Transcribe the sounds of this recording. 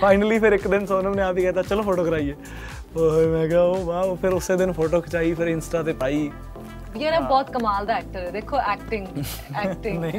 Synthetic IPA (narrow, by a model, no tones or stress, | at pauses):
pʰaːɪnəliːpʰɪɾɪkd̪ɪnsoːnəːnẽːaːpiːkɛːt̪aːt͡ʃəloːpʰoːʈoːkəɾaːieː | omɛ̃ːɡaːobaːoːpʰɪɾʊsːeːd̪ɪnpʰoːʈoːkʰt͡ʃaːiːpʰɪɾɪnsʈaːt̪eːpaːiː | jɛɾɛːbɔːt̪kəmaːld̪aːɛːk̚ʈəɾed̪eːkʰːoːʔɛːk̚ʈɪ̃ŋɡ | ɛːɪ̃ŋ